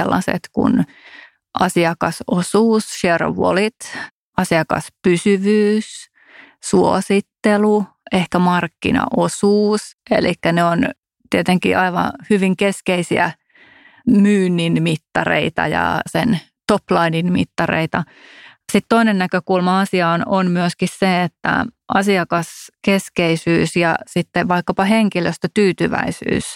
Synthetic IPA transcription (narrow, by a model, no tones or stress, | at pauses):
elːɑ̰sḛt̪kṵn | ʔɑsiɑkɑsosuːsʃero̰ʋo̰lit̪ | ɑsiɑkɑ̰spysyʋyːs | suosit̪ːelu | ehkæmɑrkːḭnɑ̰ʔosuːsʔḛlikːæneon | t̪iet̪eŋkḭʔɑiʋɑ̰hyʋiŋkeskeisiæ̰ | myːnːinmit̪ːɑrḛit̪ɑ̰jɑ̰sen | t̪oplɑininmḭt̪ːɑrḛit̪ɑ | sit̪t̪oinennækøkulmɑɑsiɑːnonmyøskisseet̪ːæ̰ʔɑsiɑkɑskeskeisyːsjɑ̰sit̪ːeʋɑikːɑpɑheŋkiløst̪øt̪yːt̪yʋæ̰isy̰ːs